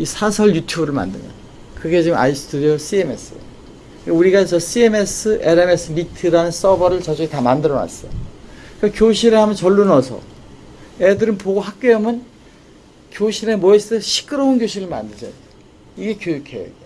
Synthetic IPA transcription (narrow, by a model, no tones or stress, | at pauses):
isʰasʰʌɭjutʰjubɯɾɯɭma̰ndɯ̰mjʌ̰n | kɯɡe̞t͡ɕiɯma̰is͈ʰtʰudiosʰie̞me̞̰s͈ʰɯj | kuɾiɡat͡ɕʌsʰie̞me̞s͈ʰɯʔeɾeme̞sʰɯmitʰɯɾanɯns͈ʌbʌɾɯɭt͡ɕʌd͡ʑuitamandɯɾʌwa̰s͈ʌjokekjoɕʰiɾehamʌnt͡ɕʌɭːunʌsʰʌ̰ | edɯɾɯnpoɡohak̚k͈eʌmʌn | kjoɕʰiɾemoeseɕʰi̥k͈ʰɯɾʌunkjoɕʰiɾɯɭma̰ndɯd͡ʑʌ | iɡe̞kjojukʰḛjḛde